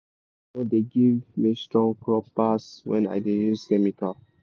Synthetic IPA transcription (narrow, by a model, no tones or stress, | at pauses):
nodeɡivmistɹɔ̃ŋkɹɔpaswɛ̰̃na̰ɪdejuskɛmikal